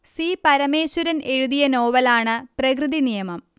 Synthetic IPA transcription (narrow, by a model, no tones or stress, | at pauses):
sipɐɾɐmeːɕuɾɐne̞ɻuðijɐno̞ːʋɐlaːɳɨprɐkrɨðinijɐmɐm